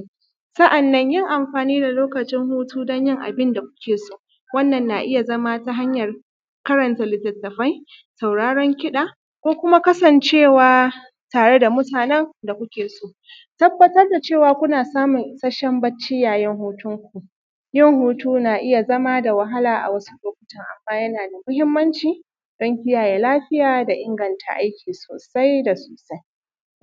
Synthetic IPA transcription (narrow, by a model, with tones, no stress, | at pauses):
sɐ˦ʔa˨nːɐ˦ɲjɪ˦˨ŋʔa˨mɸaː˨niː˦da˨loː˦kɐ˨t͡ʃɪ˦ŋhuː˦tuː˦dɔ˦ɲjɪ˦ŋʔa̰˨bɪ˦nda˨kʷʊ̥˦kʲʰeː˨soː˦ | wɐ˦nːɐ˨nːa˨ʔɪ˦ja˨zɐ˦ma˦ta˦ɦa˦ɲjɐ˨r | kɐ˦ɾɐ˨ntɐ˨lɪ˨tɐ˨tːɐ˨ɸɐ˦j | sa˨wɽaː˦ɽɔ˦ŋkʲɪ˦ɗaː˨ | kʷoː˦kʷʊ˦ma˦kɐ˦sɐ˨nt͡ʃeː˦˨waː˨ | taː˨ɽe˦da˨mʊ˦taː˨nɛ˦ŋda˨kʷʊ˦kʲeː˨soː˦ʔ | tɐ˦bːɐ˦tɐ˦rda˨t͡ʃeː˦˨waː˨kʷʊ˦naː˨saː˦mʊ˨ŋʔɪ˨sɐ˦ʃɛ˦mbɐ˦t͡ʃːɪ˦jaː˨jɛ˦ŋhuː˦tʊ˦ŋkʷu˨ | jɪ˦ŋhuː˦tuː˦naː˨ʔɪ˦ja˨zɐ˦maː˦da˨wɐ˨ɦa˦laː˨ʔa̰˨wɐ˦su̥˦loː˨k̚ʷʊ̥˦tɐ˨ŋʔa̰˨mːaː˦jɐ˦naː˨da˨mʊ˦hɪ˦mːɐ˦nt͡ʃiː˨ | d̥ɔ˦ŋkʲɪ˦jaː˨jeː˨laː˦ɸɪ˦jaː˨da˨ʔɪ˦ŋɡɐ˨ntʰa̰˨ʔa˦jkʲiː˨soː˨sa˦jda˨soː˨sa˦j